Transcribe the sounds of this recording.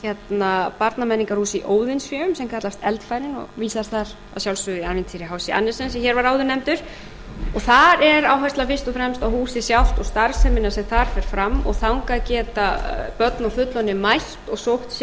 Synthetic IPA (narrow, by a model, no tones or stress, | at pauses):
çɛt̪napaɾt̪namɛnːiŋkaɾ̥huːsiʔoːwðɪnsvjœːʏmsɛmkʰat̪last̪ɛlt̪faːjɾɪnɔ̰ɣviːsast̪θaɾ̥ | asjawlsvʏðianmɪnt̪ʰiːɾɪɦaːwsiʔa̰nːɪsɛnsɛçɛɾvaɾaːwðʏɾnɛmt̪ʏɾ̥ | ɔθaɾɛɾawɦɛst̪lafɪst̪ɔfɾɛmst̪awhuːsɪsjawl̥t̪ɔɣst̪aɾ̥sɛmɪnasɛmθaɾ̥fɛɾ̥fɾamːɔ̰ɣθawŋkaðcɛːt̪apœt̪nɔwfʏt̪lɔnːɪmajht̪ɔɣsowht̪s